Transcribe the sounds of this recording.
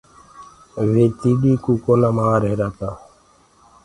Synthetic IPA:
ʋeːt̪iːɗiːkuːkoːnaːmaːɾeːɾaːt̪aː

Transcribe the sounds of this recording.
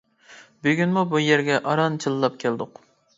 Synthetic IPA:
byɡʲynmubujeɾɡʲɛʔɑɾɑnt͡ʃʰɨlˠlːˠɑp̚kʲʰɛld̪ʊq

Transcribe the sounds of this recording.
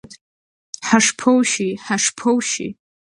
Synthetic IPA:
tʰʼ | ħaʂpʰowʃiħaʂpʰowʃḭ

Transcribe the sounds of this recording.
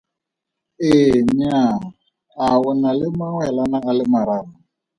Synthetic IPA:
eɲa | awʊnalɪmaŋwɛlanaalɪmaɾana

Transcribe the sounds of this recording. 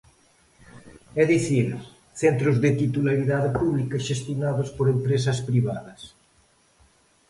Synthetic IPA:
ɛðiθiɾ | θɛnt̪ɾʊzðɪt̪it̪ulaɾiðaðɪpuβlikɐʃest̪jonaðʊspoɾempɾesɐspɾiβaðɐs

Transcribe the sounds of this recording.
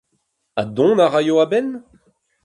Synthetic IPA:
adɔ̃naʁajoabɛn

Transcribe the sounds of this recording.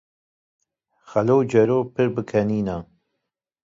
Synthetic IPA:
xɐlowd͡ʒɛɾoːpʰɨɾbɨkʰɛniːna

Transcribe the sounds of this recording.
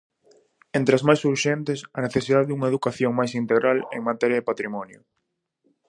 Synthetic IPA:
ent̪ɾɪazmajsuɾʃent̪ɪsɐneθesiðaðeðuŋɐeðukaθjoŋmajsint̪eɣɾalḛŋmat̪ɛɾjɐðepat̪ɾimɔnjʊ̰

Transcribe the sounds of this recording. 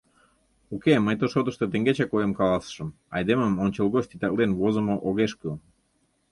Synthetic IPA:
okeməjt̪oʃod̪əʃt̪ət̪əŋɡet͡ɕakojəmkɑlɑsʃəm | ɑ̰jd̪eməmonʲt͡ɕelɣoʃt̪it̪ɑlenvozə̆moʔoɣeʃkə

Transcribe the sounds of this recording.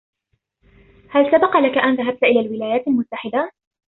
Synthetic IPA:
halsabɑqlakaʔanðaɦab̚t̪ʔɪlaːlwɪlaːjaːt̪almʊt̪ːaħɪd̪a

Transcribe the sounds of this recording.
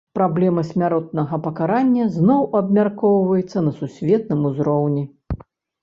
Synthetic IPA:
pɾablʲɛmɐsʲmʲaɾɔt̪̚nɐɣɐpɐkaɾanʲːɐznɔwʔɐbmʲarkɔwvɐjɛt̪sːɐnɐsusʲvʲɛt̪̚nɨmuzɾɔwnʲi

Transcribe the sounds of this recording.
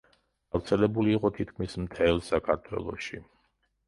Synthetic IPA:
ɡ̥afɾt̪sʰɛlɛbuliːqʼɔt̪ʰit̪̚ʰkʰmismt̪ʰɛlˠsakʰaɾt̪ʰwɛ̰lˠɔ̰ʃi

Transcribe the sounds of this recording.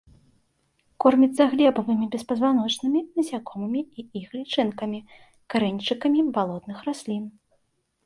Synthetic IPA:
kɔrmʲit̪zsɐɣlʲɛbɐvɨmʲibʲɛspɐzvanɔt͡ʂnɨmʲinɐzʲakɔmɨmʲiiixlʲit͡ʂɨnkɐmʲi | kaɾɛnʲt͡ʂɨkɐmʲibalˠɔd̪nɨxɾasʲlʲin

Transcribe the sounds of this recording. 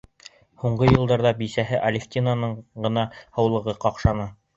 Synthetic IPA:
huɴɢɤjɤ̆lˠd̪ɑɾðɑbisæɦɘʔɐlʲɪxt̪ʲinanɤɴɢɤ̆nɑhɤ̆wlˠɤ̆ʁɤqɑqʃɑnɑ

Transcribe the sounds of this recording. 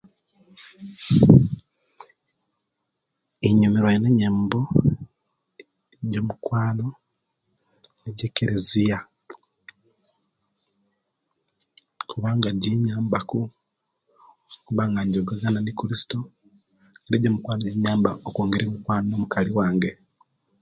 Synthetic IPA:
eɲumeɾwajeneɲeːmbo | ɟo̞mukwaːno̞ | eɟekːeɾezija | kʰuβaːŋɡaɟeɲaːmbaku | kuβaŋɡaɲɟoɡaɡananikuɾisi̥to | eɾeɟomukwaːnoɟeɲaːmbaokoːŋɡeɾimukwaːnonomukaliwaːŋɡe

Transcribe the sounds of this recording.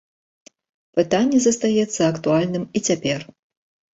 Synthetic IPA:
pɨt̪anʲːɛzɐst̪ajɛt̪sːɐɐkt̪ualʲnɨmit͡sʲapʲɛr

